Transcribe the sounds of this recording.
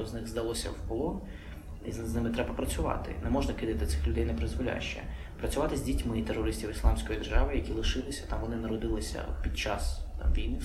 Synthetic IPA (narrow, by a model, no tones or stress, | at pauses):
ɔznɪɣzd̪ɐlˠɔsʲɐ̰wpɔlˠɔn | izznɪmɪt̪ɾɛbɐpɾɐt͡sʲʊʋɑ̰t̪ɪ̰nɛmɔʒnɐkɪd̪ɪt̪ɪt̪sɪxlʲʊd̪ɛjnɛpɾɪzʋɔlʲa̰jʃt͡ʃɛ̰ | pɾɐt͡sʲʊʋɑt̪ɪzʲdʲitʲmɪit̪erːɔɾɪsʲtʲiwislˠɑmsʲkɔjid̪erʒɑʋɪjɐkʲilˠɪʃɪlˠɪsʲɐ̥t̪ɑmʋɔnɪnɐɾɔd̪ɪlˠɪsʲɐ̰pʲid̪̚t͡ʃɑsʋʲijnɪ